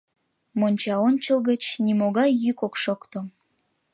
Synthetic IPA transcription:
monʲt͡ɕɑonʲt͡ɕəlɣət͡ɕnimoɣɑjːykokʃokt̪o

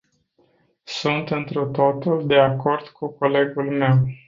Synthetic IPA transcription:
sunt̪ɨnt̪ɾut̪o̞t̪uld̪e̞ako̞rd̪̥kʰuko̞le̞ɡulme̞w

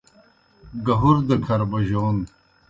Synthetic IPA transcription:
ɡɐɦuɾd̪ɐkʰɐɾbɐʑoːn

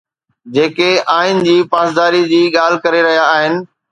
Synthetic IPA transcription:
d͡ʑeːkeaːɪnɪd͡ʑiːpaːsd̪aːɾid͡ʑiːɠaːl̤kɐɾeɾɐɦijaːɦɪnɪ̆

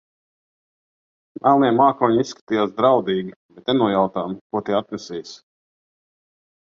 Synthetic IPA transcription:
mʔɛlˠniɛmaːkɔːɲisːkḁt̪ijaːsd̪ɾawd̪iːɡʲibɛt̪nenuɔjawt̪aːmkuɔt̪iɛat̪nɛsʲijs

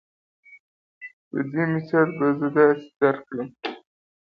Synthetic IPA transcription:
d̪əd̪emɪsɑlbazəd̪ɑsɪ̥d̪aɾkləm

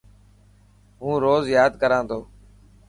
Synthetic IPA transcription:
ɦũːɾoːzjaːd̪kəɾãːt̪ʰoː

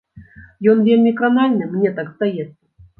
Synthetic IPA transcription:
jɔnvʲelʲmʲɪkɾanalʲnɨmnʲet̪akst̪ajat̪̚

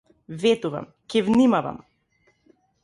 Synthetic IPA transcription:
vɛt̪uva̰m | cɛvnimava̰m

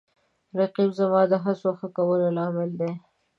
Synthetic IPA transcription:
ɾaqibzamɑd̪əɦasoxəkawəlolɑmɪld̪e

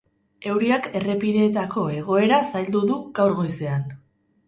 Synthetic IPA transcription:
e̞wɾiake̞re̞piðe̞ːt̪ako̞e̞ɣ̞o̞e̞ɾasajld̪uðuɣawɾɣo̞jse̞an

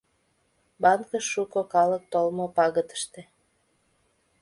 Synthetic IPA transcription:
bɑnkəʃʃːukokɑlək̚t̪olmopɑɣə̆t̪ə̥ʃt̪ĕ

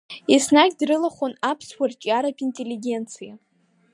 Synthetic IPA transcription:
isnaɡʲdrɨlaχʷonapʰswʷart͡ʃʼiaɾapʰintʼelːiɡʲe̞nt͡sʰija

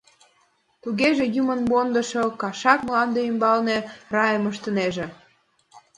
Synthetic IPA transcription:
t̪uɣeʒĕjumənmond̪ə̆ʃokɑʃɑkmlɑnd̪eymbɑlnerɑjəməʃt̪ə̆neʒĕ

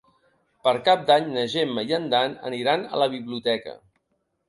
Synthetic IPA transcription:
pəɾkap̚d̪aɲnəʒemːəjənd̪anə̰niɾanə̰ləβ̞iβliut̪ɛkə̰

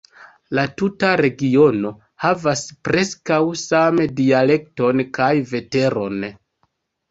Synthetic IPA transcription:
latutaɾe̞ɡio̞no̞ | havaspɾe̞skawsamdiale̞kto̞nkajve̞te̞ɾo̞̰n

